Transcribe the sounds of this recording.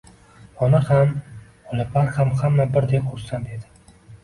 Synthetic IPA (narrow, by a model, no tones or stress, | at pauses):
ɒnaham | ɒlɪpʰaɾhamhamːabɪɾd̪eqʰoɾsand̪e̞d̪ɪ